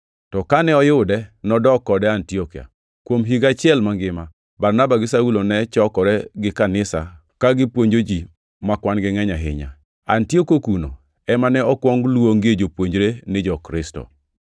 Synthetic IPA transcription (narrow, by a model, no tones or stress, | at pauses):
tɔkanɛɔjʊdɛnɔdɔkɔdɛantiɔkia̰ | kwomɦiɡat͡ʃɪɛlmaŋɡɪma | baɾnabaɡɪsaulonɛt͡ʃɔkɔɾɛɡɪkanɪsa̰ | kaɡɪpwoɲd͡ʒod͡ʒi | makwanɡɪŋɛɲaɦɪ̰ɲa̰ | antiokokuno̰ | ɛmanɛɔkwɔŋɡlwoŋɡed͡ʒopwoɲd͡ʒɾenɪd͡ʒɔkɾɪstɔ̰